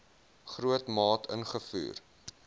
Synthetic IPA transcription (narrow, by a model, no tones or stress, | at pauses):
χɾuətmɑːtʰə̰nχəfy̰ːr